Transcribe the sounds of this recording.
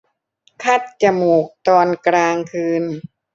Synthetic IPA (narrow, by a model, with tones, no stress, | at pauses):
kʰa˦˥˩t̪̚t͡ɕa˧˩muː˨˩k̚t̪ɔː˧nkɾaː˧ŋkʰɯː˧n